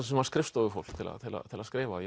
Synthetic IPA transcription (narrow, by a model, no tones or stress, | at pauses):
sɛmaɾskɾɪfst̪ɔɣɪɾfo̰wl̥kt̪ʰɪla̰t̪ʰɪla̰ðt̪ʰɪlaðskɾɪːvaj